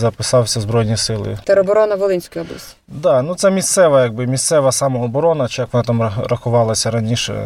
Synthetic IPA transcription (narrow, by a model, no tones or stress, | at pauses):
zɐpɪsɑwsʲɐzbɾɔjnʲisɪlˠɪ̰t̪ɛɾɔbɔɾɔnɐʋɔlˠɪnʲsʲkʊjɔblˠɐsʲtʲi̥d̪ɑnut̪sɛmʲist̪sɛʋɐjɐɡ̚bɪmʲist̪sɛʋɐsɑmɐɔbɔɾɔnɐt͡ʃɪjɐkʋɔnɑt̪ɑmɐrɐxʊʋɑlˠɐsʲɐɾɐnʲiʃɛ̰